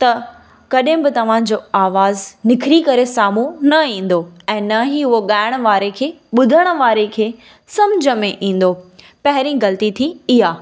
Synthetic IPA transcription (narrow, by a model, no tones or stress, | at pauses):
t̪ɐ | kɐɗɦɪ̃bɪt̪ɐʋ̤ãd͡ʑoːaːʋaːznɪkʰɪɾikɐɾesaːmũnɐĩːn̆d̪oɛ̃ːnɐɦiɦʊɦoɠaːɪɽ̃ʋaːɾekʰeːɓʊd̪ʱəɽ̃̆ʋaːɾekʰeː | sɐmd͡ʑʱəmẽʔĩːn̆d̪o | pɐɦɪɾĩɣɐlt̪it̪ʰiɪɦaː